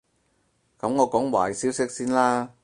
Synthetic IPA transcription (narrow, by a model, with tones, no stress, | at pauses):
kɐ˨˥mŋɔː˨˧kɔː˨˥ŋwa̰ː˨˩jsiː˨˥wsɪ˥k̚siː˥nlaː˥